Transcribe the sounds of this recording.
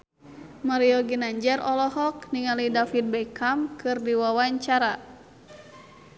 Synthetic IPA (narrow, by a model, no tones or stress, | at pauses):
maɾiɔɡinaɲd͡ʒɛrɔlɔɦɔk̚niŋalidafit̪̚bɛjkʰamkɨrdiwawaɲt͡ʃaɾa